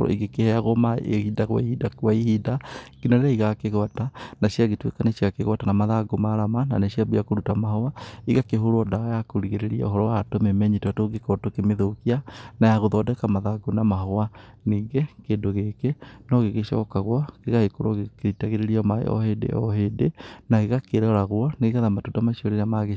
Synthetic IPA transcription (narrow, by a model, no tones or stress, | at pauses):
iɡekehɛaɣɔma̰ehidaɣwa̰ihidakwaihidakinaɾeaiɣakeɣɔtanaʃiaɣetwḛkaneʃjaɣakeɣatanamaðaɡomaɾamana̰neʃiabejakoɾutamahɔwaiɣakeɦoɾoɔdaɣajakoɾiɣeɾeɾia̰o̰ɦɔɾɔwatomemɛɲitatoɡekɔtokemeðokianajaɣoðɔdɛkamaðaɡonamaɦɔwa | niːɡekeːndoɣekenɔɣeɣeʃɔ̰kaɣwɔkeɣahekoɾoɣkeɾitaɣeɾeɾiɔmaḛɔ̰hedḛɔɦedenaeɣakeɾɔɾaɣwɔneiɣaðamatodamaʃiɔɾeɾamaɣe